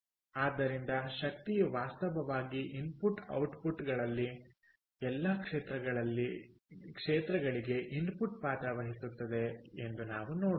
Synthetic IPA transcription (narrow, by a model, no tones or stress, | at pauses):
aːd̪ːɐɾind̪ɐʃɐk̚t̪ijuʋaːst̪ɐʋɐʋaːɡiʔinpuʈɐ̰wʈpuʈɡɐɭɐlːi | ɛlːɐkʂeːt̪ɾɐɡɐɭɐlːikʂeːt̪ɾɐɡɐɭiɡe̞ʔinpuʈ̚paːt̪ɐʋɐɦisut̪ːɐd̪e̞end̪unaːʋunoːɽ